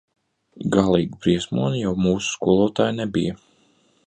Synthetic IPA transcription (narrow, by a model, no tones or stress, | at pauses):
ɡalˠiːɡubɾiɛsmuɔnijawmuːsu̥skuɔlˠuɔt̪aːjnɛbijɐ